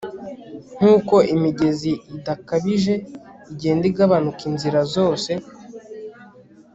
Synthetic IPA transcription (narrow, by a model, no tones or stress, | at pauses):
n̥uːko̞imiɟe̞ziːdakaβiʒe̞iɟe̞ːndiɡaβanukinziɾazo̞ːse̞